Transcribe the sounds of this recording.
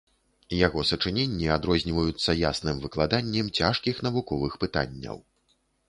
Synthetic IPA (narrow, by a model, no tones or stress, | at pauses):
jaɣɔsɐt͡ʂɨnʲenʲːiad̪ɾɔzʲnʲivɐjut̪sːɐjasnɨmvɨklˠad̪anʲːɛmt͡sʲaʂkʲixn̪ɐvukɔvɨxpɨt̪a̰nʲːɐ̰w